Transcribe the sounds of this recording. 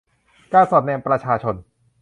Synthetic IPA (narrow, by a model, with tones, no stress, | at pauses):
kaː˥˩nsɔː˨˩t̪̚nɛː˧mpɾa˧t͡ɕʰaː˧t͡ɕʰo˧n